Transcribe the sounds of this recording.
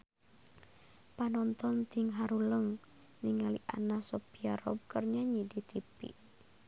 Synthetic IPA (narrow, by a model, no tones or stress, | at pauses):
panɔnt̪ɔnt̪iŋɦaɾuləŋ | niŋaliʔa̰nasɔpiaɾɔ̰b̚kərɲaɲidit̪ipḭ